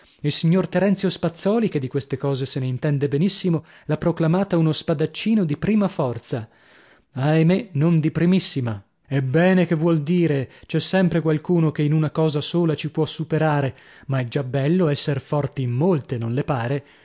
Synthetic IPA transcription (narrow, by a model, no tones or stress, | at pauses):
ilsiɲːort̪eɾɛnt̪jospat̪sːɔːliked̪ːikwest̪ekɔːzeseneint̪ɛnd̪ebenisːimo | lapːɾoklamaːt̪aunospad̪at͡ʃːiːnod̪ipɾiːmafɔrt̪sa | ajmenond̪ipɾimisːima | ɛbːɛːnekevːwɔld̪iːɾet͡ʃɛsːɛmpɾekwalkuːnokeinunakɔːzasoːlat͡ʃipwɔsupeɾaːɾe | maɛd͡ʒabɛlːoɛsːerfɔrt̪imːolt̪enõnlepaːɾe